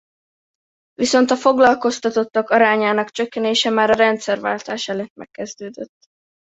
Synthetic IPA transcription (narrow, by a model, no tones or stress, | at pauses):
viso̞nt̪ɒfo̞ɡlɒlko̞st̪ɒt̪o̞t̪ːɒkɒɾaːɲaːnɒkt͡ʃøkːɛneːʃɛmaːɾɒɾɛnt̪sɛrva̰ːlt̪aːʃɛløt̪mɛ̰kːɛzd̪øːd̪øt̪ː